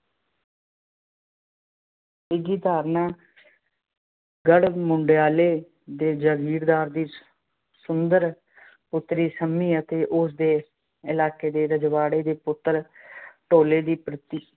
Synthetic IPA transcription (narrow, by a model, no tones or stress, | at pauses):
ɪɡiːd̪aːɾnaː | ɡəɽmʊɳɖɪjaːleː | d̪eːd͡ʒəɡiːɾd̪aːɾd̪iː | sʊnd̪əɾ | pʊt̪ːɾiːsəmːiːət̪eːʔʊsd̪eː | ɪlaːkeːd̪eːɾəd͡ʒʋaːɽeːd̪eːpʊt̪ːəɾʈoːleːd̪iːpɾɪt̪iː